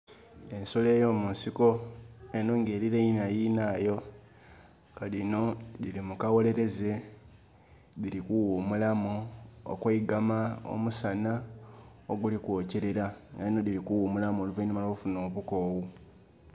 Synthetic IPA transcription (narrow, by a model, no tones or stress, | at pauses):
e̞nso̞le̞ːjo̞ːmunsiko̞enoːŋɡe̞ːɾiɾeinajinaːjo̞ | kalino̞dilimukawole̞ɾe̞ze̞ | ðilikuwumulamuo̰kweiɡamao̰musana | oɡulikwoːce̞ɾe̞ɾaŋɡalino̞dilikuwuːmulamoːluvainimalofuno̞ːβuko̞ːwu